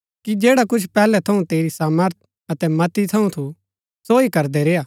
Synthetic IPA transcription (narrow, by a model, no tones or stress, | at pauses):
kid͡ʒeːɽakʊt͡ʃʰpɛːlɛt̪ʰɐũt̪eːɾisaːməɾt̪̚ʰ | ɐt̪ɛmɐt̪it̪ʰɐũt̪ʰu | soːikɐɾd̪ɛɾeːaː